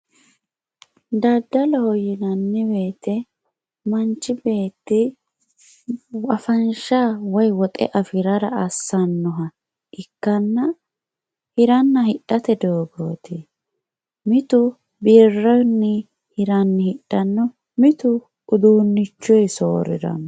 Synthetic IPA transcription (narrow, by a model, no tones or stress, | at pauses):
d̪ɐd̪ːɐlɔhɔjɪnɐnːɪbe̞ːt̪ɛ | mɐnt͡ʃːɪbe̞ːt̪ːɪ | wɐfɐnʃaːwɔjwɔt̪ʼɛ̰ʔɐfɪɾɐɾɐɐsːɐnːɔɦɐ | ʔɪkːɐnːɐ | hɪɾɐnːɐhɪɗːɐt̪ɛd̪oːɡo̰ːt̪ɪ | mɪt̪ʊ | birːɔjnːɛ | hɪɾɐnːɪhɪᶑːɐnːɔ | mɪt̪ʊ | ʊd̪uːnːɪt͡ʃːɔjso̰ːɾɪ̰ɾɐ̰